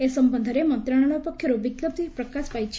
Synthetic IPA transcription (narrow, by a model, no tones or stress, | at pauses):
esəmbənd̪ʱəɾemə̃nt̪ɾaɽ̃ɔnopəkʰːjəɾoʋikləb̚t̪ipɾəkaspajt͡ʃʰ